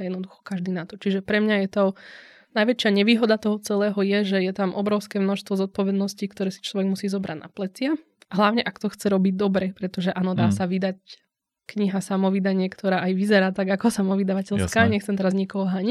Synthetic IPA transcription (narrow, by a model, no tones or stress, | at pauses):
jɛd̪nɔd̪uxɔ̥kaʒd̪iːnat̪ɔt͡ʃiʒɛpɾɛmɲajɛt̪ɔ | najʋɛt͡ʃɪaɲɛʋiːɦɔd̪at̪ɔɦɔt͡sɛlɛːɦɔjɛʒɛjɛt̪amʔɔ̰bɾɔʊskɛːmnɔʃst̪ʋɔzɔt̪̚pɔʋɛd̪nɔscikt̪ɔɾɛːsi̥t͡ʃlɔʋɛɡmusiːzɔbɾʔa̰ɟ̪na̰plɛt͡sɪa | ɦlaʊɲɛʔakt̪ɔxt͡sɛɾɔbiɟ̚d̪ɔbɾɛpɾɛt̪ɔʒɛʔaːnɔd̪aːsaʋid̪ac | kɲiɦasamɔʋid̪aɲɪɛkt̪ʰɔɾaːʔajʋizɛɾaːt̪aɡakɔsamɔʋid̪aʋacɛʎskaɲɛxt͡sɛmt̪ɛɾazɲikɔɦɔɦaɲi